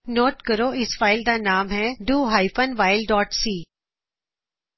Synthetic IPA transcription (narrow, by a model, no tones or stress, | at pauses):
noːʈkɐɾoɪsfaːɪld̪anaːmɦɛɖuːɦaːɪfənʋaːɪlɖɔːʈsiː